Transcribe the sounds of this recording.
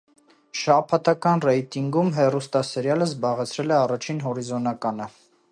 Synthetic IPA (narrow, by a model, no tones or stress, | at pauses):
ʃɑpʰɑt̪ʰɑkɑnrɛjt̪iŋɡumɦɛrust̪ɑsɛɾjɑləzbɑʁɛt͡sʰɾɛlɛɑrɑt͡ʃʰinɦɔɾizɔnɑkɑnə